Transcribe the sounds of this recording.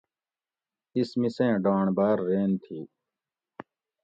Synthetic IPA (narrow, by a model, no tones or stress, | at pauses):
ɪsmɪsẽːɖãːɳbaːɾːeːnt̪ʰiː